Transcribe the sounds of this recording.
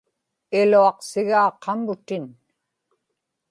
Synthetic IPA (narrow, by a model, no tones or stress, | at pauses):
ɪluɑqsɪɣaːqʰɑmbʊt̪ɪn